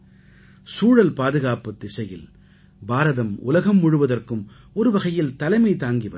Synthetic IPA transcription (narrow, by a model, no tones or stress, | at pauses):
suːɻɐlpaːðɯɣaːpɐt̪ːɪsɐjɪl | baːɾɐðɐmʊ̰lɐɣɐmːʊɻɯʋɐðɐrkɯm | ɔɾɯʋɐɣɐjɪlt̪ɐlɐɪmɐɪt̪aːŋɡiʋɐ